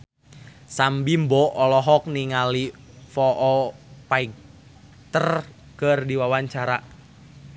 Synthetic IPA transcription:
sambimbɔʔɔlɔɦɔk̚niŋali | fɔʔɔpaik̚ | t̪ər | kərdiwawaɲt͡ʃaɾa

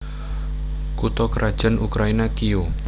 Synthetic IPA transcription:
kut̪ɔkəɾʔad̥ʒ̥ə̤nʔukɾainakio

